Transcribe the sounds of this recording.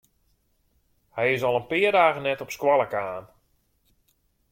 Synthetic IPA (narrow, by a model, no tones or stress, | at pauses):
hɛjɪsɔlˠənpɪərdaːɣənɛtɔpskwalˠəkaːn